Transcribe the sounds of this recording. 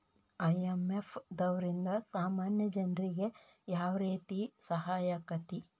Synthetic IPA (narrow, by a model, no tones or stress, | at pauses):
ɐjemefʰd̪ɐʋɐɾind̪ɐsaːmaːnjɐd͡ʒɐnɾiɡe̞ | jaːʋɾeːt̪isɐɦaːjɐkɐt̪i